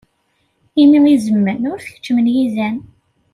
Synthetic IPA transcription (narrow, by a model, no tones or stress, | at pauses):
imiʁizəmːənʊɾθçə̥t͡ʃːmənjizæn